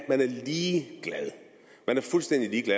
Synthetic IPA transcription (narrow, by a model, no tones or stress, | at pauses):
d̥mænæɐliːɡ̥læðˠ | mænæɐfulsd̥en̰d̥iliːɡ̥læ